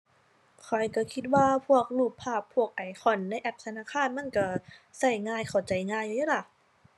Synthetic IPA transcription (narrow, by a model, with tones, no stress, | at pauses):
kʰɔ˨˩jka˧˩kʰi˧˥t̪̚waː˧pʰu˧˥˩ək̚luː˧˩pʰːaː˧˩pʰːu˧˩ək̚ʔa˨˩jxʰɔ˧˩nla˧˥˨jʔɛ˧˥p̚t̪ʰa˧˦naː˧˥˨kʰaː˧˥˨nma˧˥˨nka˧˩sa˧˩jŋaː˧˩˨jkʰa˨˩wt͡ɕa˨˩jŋaː˧˥˨ja˧jaː˧˥la˧˩